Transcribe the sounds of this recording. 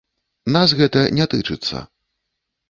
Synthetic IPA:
nas̬ɣɛt̪ɐnʲɛt̪ɨt͡ʂɨt̪sːɐ̰

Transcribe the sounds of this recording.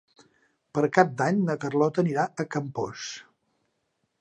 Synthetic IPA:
pəɾkap̚d̪aɲnəkərlɔt̪əniɾaəkəmpos

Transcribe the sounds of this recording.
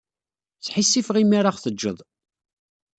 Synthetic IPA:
t͡sːħisːifʁimaɾaʁθəd͡ʒːəðˤ

